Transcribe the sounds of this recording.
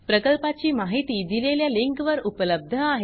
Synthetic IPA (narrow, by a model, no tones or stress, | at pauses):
pɾəkəlpat͡ɕiːmaɦit̪iːd̪ileljaliŋkʋəɾupələb̚d̪ʱəaɦe